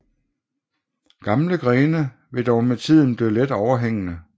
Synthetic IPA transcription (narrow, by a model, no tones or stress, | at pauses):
ɡ̥ɑ̈mləɡ̥ʁɛːnə | ʋe̝d̥ɒʊmet͡sʰið̞̰ˠn̩b̥liːled̥ɒʊɐɦeŋ̰ənə